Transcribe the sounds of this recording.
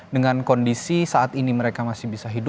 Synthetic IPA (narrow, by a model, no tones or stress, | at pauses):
dəŋankɔndisisaat̪iniməɾekamasɪhbisaɦidʊ